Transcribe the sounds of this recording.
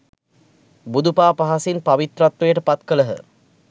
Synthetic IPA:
bud̪upaːpaɦasinpaʋit̪ɾat̪ʋɐjəʈəpat̪kələɦə̰

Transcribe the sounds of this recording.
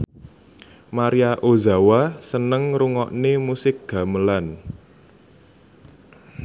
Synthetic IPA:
maɾiaʔoza̤wasənəŋɾuŋɔʔnemusɪk̚ɡ̥a̤məlan

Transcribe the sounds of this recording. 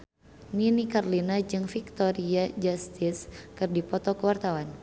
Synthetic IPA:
ninikarlinad͡ʒɨŋfik̚t̪ɔɾiad͡ʒast̪iskɨrdipɔt̪ɔkəwart̪awan

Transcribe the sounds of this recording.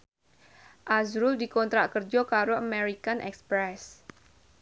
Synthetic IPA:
ʔazɾʊldikɔnt̪ɾaʔkərd͡ʒɔkaɾoʔəmeɾikanʔɛ̰kspɾɛs

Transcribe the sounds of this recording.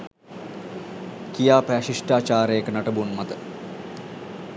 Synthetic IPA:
kijaːpæʃiʂʈaːt͡ʃaːɾəjekənaʈəbunmɐt̪ə

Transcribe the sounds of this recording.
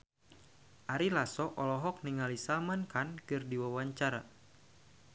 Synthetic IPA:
ʔaɾilasɔʔɔlɔɦɔk̚niŋalisamankankɨrdiwawaɲt͡ʃaɾa

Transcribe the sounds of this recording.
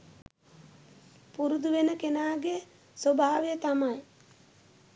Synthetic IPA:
puɾud̪uʋenəkenaːɡe | sobʱaːʋejət̪amaj

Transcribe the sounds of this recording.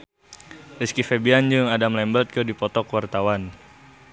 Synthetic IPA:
riskifebiand͡ʒuŋadamlɛmbət̪̚kədipɔt̪ɔkwart̪awan

